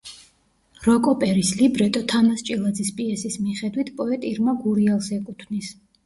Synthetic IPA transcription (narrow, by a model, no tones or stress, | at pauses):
ɾɔkʼɔpʼɛɾislibɾɛt̪ʼɔt̪ʰamast͡ʃʼilˠad̪zispʼiɛsismiχɛd̪wit̪ʰpʼɔɛt̪ʼiɾmaɡuɾialˠsɛkʼut̪ʰvnis